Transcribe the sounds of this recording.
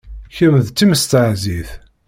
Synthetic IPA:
çəmðt͡s̪ːiməst̪əʕziθ

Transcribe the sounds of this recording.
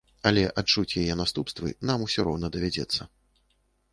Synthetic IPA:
ɐlʲɛʔat͡ʂut͡sʲjajɛnast̪upst̪vɨ̰namusʲɔɾɔwnɐd̪ɐvʲad͡zʲɛ̰t̪sːɐ

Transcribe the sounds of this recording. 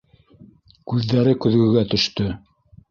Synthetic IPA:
kʉðːæɾɘkɵ̆ðɡɵ̆ɡæt̪ɵ̆ʃt̪ɵ

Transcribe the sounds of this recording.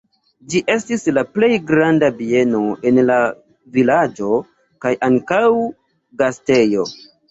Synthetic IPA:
d͡ʒiʔe̞stislaple̞jɡɾandabie̞no̞ʔe̞nla | vilad͡ʒo̞ | kajʔaŋkaw | ɡaste̞jo̞

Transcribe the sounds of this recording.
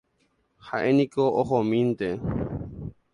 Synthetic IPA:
haʔenĩkoʔohomĩnt̪e

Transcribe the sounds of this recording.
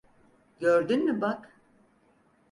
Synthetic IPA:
ɟøɾd̪ynmibak

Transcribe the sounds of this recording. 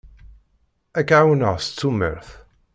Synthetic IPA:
ækʕawənəʁst͡sːumə̰ɾθ

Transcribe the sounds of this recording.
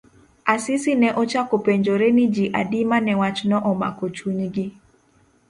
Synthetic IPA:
asɪsɪnɛʔɔt͡ʃakɔpeɲd͡ʒoɾenid͡ʒiʔa̰dimanɛwat͡ʃnɔʔɔma̰kot͡ʃuɲɡɪ

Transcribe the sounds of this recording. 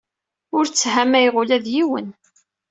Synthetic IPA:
ʊɾt͡sːɦæmæjʁʊlæðjiwən

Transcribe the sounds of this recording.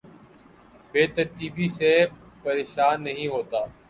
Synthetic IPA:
beːt̪əɾt̪iːbiːseː | pəɾeːʃaːnːəɦĩːɦoːt̪aː

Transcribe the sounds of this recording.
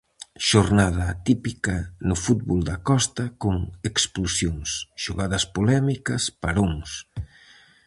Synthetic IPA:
ʃoɾnað̞ɐːt̪ipikɐnʊfut̪̚βold̪ɐkɔst̪ɐkoŋeksplosjoŋsʃoɣaðɐspolɛmikɐspaɾoŋs

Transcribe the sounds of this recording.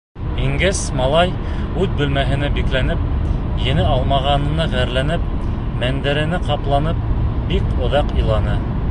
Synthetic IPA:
iŋɡɘsmɑlˠɑj | ʉðbɵ̆lmæɦɘ̆næbiklænɘp̚ | jɘ̆nɘɑlˠmɑʁɑnɤ̆nɤʁæɾlænɘp̚ | mænd̪ɘ̆ɾɘ̆nɘqɑplˠɑnɤp̚bikŏðɑqĭlˠɑnɤ

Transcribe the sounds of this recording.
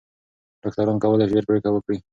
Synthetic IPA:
ɖ̥ɑk̚t̪aɾɑnkawəlaʒeɾkɽikawəkɽi

